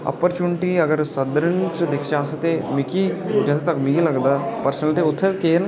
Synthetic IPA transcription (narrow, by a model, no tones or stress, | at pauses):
ɐ̰pːəɾt͡ʃuːnʈiɐɡəɾsəd̪ɾənt͡ʃd̪ɪkʰd͡ʒaːsət̪emɪkid͡ʒɛːset̪ɐkmɪɡilɐɡd̪aːpəɾsnəlt̪eʊt̪ʰːekeːn